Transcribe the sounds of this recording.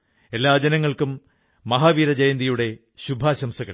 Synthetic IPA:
e̞lːaːd͡ʑɐnɐŋːɐɭkumː | ɐɦaːʋiːɾɐd͡ʑɐjɐnd̪ijuɽe̞ | ɕubʱaːɕɐmsɐɣɐɭ

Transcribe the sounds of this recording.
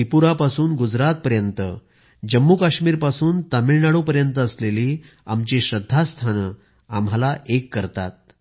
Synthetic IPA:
ipuɾapasuːnɡud͡zɾat̪̚pəɾjənt̪ə | d͡ʑəmːukaɕmiːɾpasuːnt̪amiɭnaɽopəɾjənt̪əːsleliː | amt͡ɕeɕɾəd̪ʱːast̪ʰanə | amɦalaʔekːəɾt̪a̰t̪̚

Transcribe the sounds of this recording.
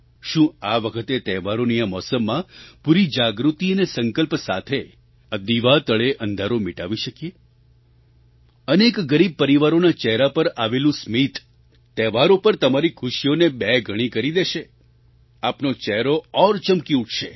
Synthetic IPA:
ʃũaʋəkʰət̪et̪ɛʋaɾonijamɔsəmːãpuɾid͡ʒaɡɾut̪iənesə̃ŋkəlpsa̰t̪ʰe | ad̪iʋat̪əɭeʔənd̪ʱaɾomiʈaʋiʃəkije | ənekɡəɾib̚pəɾiʋaɾonat͡ʃɛɦɾapəɾaʋelũsmit̪ː | ɛʋaɾopəɾt̪əmaɾikʰuʃijonebɛɡʱəɽ̃ikəɾid̪eʃe | apnot͡ʃɛɦɾoɔɾt͡ʃəmkiuʈʰʃe

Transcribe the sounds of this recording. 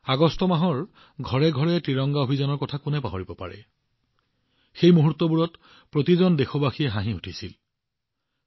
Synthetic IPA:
aɡɔstɔmaɦɔɹ | ɡʱɔɹɛɡʱɔɹɛtɹiɹɔŋɡaobʱizanɔɹkɔtʰakunɛpaɦoɹibɔpa̰ɹɛ̰ | xejmuɦutːɔbuɹɔt | pɹotizɔndexɔbaxijɛɦaɦĩutʰisil

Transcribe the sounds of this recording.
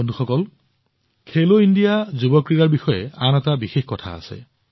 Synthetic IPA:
onduxɔkɔl | kʰeloindijazubɔkɹiɾaɹbixɔjeanatabixexkɔtʰa̰a̰sḛ

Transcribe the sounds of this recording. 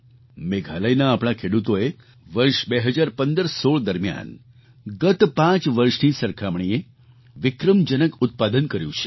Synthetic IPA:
meɡʱaləjnaːpɽ̃akʰeɽut̪oe | ʋəɾʃbeɦəd͡ʒaɾpənd̪əɾsoɭd̪əɾmja̰n | ɡət̪pãt͡ʃʋəɾʃnisəɾkʰamɳie | ʋɪkɾəmd͡ʒənəkʊt̪̚pad̪ənkəɾjṵ̃t͡ʃʰe̥

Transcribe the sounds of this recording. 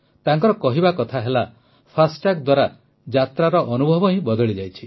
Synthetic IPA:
t̪aŋkɔɾɔkɔɦibakɔt̪ʰaɦela | pʰasʈakd̪waɾa | d͡ʒat̪ɾaɾɔʔɔnubʱɔbɔĩbɔd̪ɔɭid͡ʒajt͡ʃʰi

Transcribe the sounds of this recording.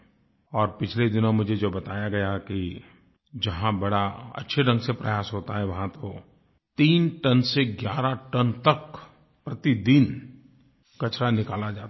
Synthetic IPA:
ɔːɾpɪt͡ʃʰled̪ɪnõmʊd͡ʒʱed͡ʒoːbɐt̪aːjaɡɐjaki | d͡ʒɐɦãbɐɽaɐ̰tːʃʰeɖɐ̃ŋɡsepɾɐjaːsɦoːt̪aɦɛʋɐɦãt̪o | t̪iːnʈɐnseɡjaːɾaʈɐnt̪ɐk | pɾɐt̪id̪in | kɐt͡ʃɾanɪkaːlad͡ʒaːt̪

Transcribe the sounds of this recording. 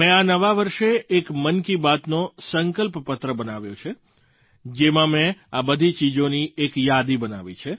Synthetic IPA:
mɛ̃anəʋaʋəɾʃeʔːkmənkibat̪nosəŋkəlppət̪ɾəbənaʋjõ̰t͡ʃʰe | d͡ʒemãmẽabəd̪ʱit͡ʃid͡ʒoniekjad̪ibəna̰ʋḭt͡ʃʰe

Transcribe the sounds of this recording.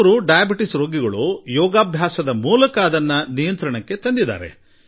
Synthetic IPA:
ɾuɖɐjɐbiʈisɾoːɡiɡɐɭujɔːɡaːbʱjaːsɐd̪ɐmuːlɐkɐːd̪ɐnːɐnijɐnt̪ɾɐɳɐkːe̞t̪ɐnd̪id̪a̰ːɾe̞̰

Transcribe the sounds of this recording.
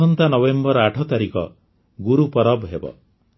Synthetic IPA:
ɔnt̪anɔbembɔɾɔaʈʰɔt̪aɾikɔ̰ | ɡuɾupɔɾɔbɦebɔ̰

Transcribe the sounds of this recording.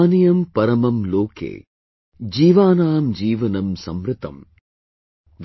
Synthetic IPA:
nijɐmpɐɾɐmɐmloːkḛː | d͡ʒiːʋaːnaːmd͡ʒiːʋɐnɐmsɐmɾɪt̪ɐ̰m | ʋ

